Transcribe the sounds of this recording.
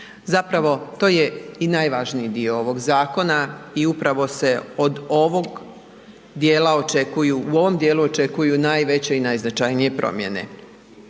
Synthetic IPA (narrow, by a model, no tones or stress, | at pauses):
zapɾaʋo̞t̪o̞ːjeinajʋaʒnijid̪ioo̞ʋo̞ɡzaːko̞naiupɾaʋo̞se̞o̞d̪o̞ʋo̞ɡ | d̪jeːlao̞t͡ʃe̞kujuʔuo̞ʋo̞md̪jeːluo̞t͡ʃe̞kujunajʋe̞t͡ɕe̞inajznat͡ʃajnije̞pɾʔo̰mje̞̰ne̞̰